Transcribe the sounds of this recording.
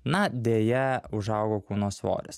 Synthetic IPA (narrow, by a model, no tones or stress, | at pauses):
nɐd̪ʲeːjɛʊʒɐʊɡoːkuːnoːsʋo̰ːɾʲɪs